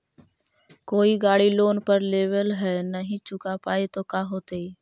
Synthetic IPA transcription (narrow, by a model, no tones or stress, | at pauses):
koːiɡaːɽiloːnpəɾleːwəlɦɛnəɦĩt͡ʃʊkapaːet̪okaːɦoːt̪eiː